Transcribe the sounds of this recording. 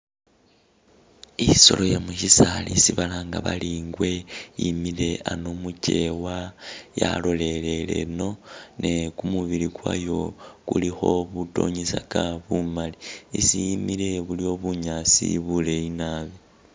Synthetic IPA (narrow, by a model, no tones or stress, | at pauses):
iso̞̰lo̞jamuʃisalisiβalaŋɡaβaliŋɡwe̞jimile̞anomuce̞waja̰lo̞le̞le̞le̞̰no̞nʔe̞kumuβiɾikwa̰jo̞kulixo̞βuto̞̰ɲisakaβumaliisijimile̞βulio̞βuɲasḭβule̞inaβi